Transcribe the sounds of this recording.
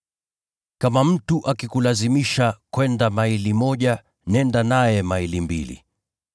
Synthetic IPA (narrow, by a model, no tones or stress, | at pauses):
kamam̩tuʔakikulazimiʃakwɛndamailimɔʄa | nɛndanajɛmailimbḭlḭ